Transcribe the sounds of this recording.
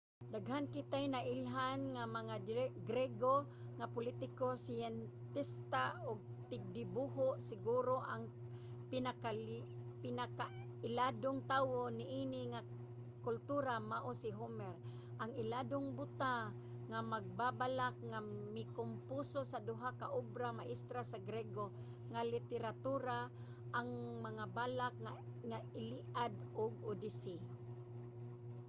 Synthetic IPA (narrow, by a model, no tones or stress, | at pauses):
d̪aɡɦankɪt̪ajnaʔɪlɦanŋamaŋaɡɾɛɡo | ŋapʊlit̪ɪkosɪjɛnt̪ɪst̪aʊɡ̚t̪ɪɡ̚dɪbuɦoʔsɪɡuɾoʔaŋ | pɪnakapɪnaka | ɪladʊŋt̪awonɪʔinɪŋa | kʊlt̪uɾamaʔosɪɦomɛɾ | ʔaŋɪladʊŋbʊt̪a | ŋamaɡ̚babalak̚ŋamɪkʊmpusosad̪ʊɦakaʔobɾamaʔɪst̪ɾasaɡɾɛɡo | ŋalɪt̪ɛɾat̪uɾa | ʔaŋmaŋabalak̚ŋaŋaɪliʔad̪ʊɡʊdisi